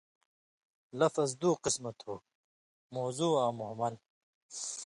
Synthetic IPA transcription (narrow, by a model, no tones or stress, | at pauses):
lɐfɐzd̪uːqismɐt̪huː | moːzuːaːmuɦmɐl